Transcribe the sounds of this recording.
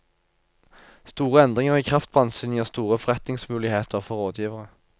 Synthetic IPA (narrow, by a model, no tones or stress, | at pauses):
st̪uːʁəɛnd̪ʁɪŋəʁiːkʰʁɑft̪̚pʰɔɑnsyːnɪəʁst̪uːʁəfɔʁɛt̪nɪŋsmʉːlɪheːt̪ʰəʁfɔʁoːd̪jiːʋəʁə